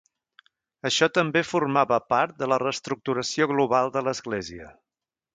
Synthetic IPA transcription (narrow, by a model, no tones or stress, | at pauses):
əʃɔt̪əmbefurmaβəpaɾt̪̚d̪ələrəst̪ɾuk̚t̪uɾəsioɣluβalˠd̪ələzɣleziə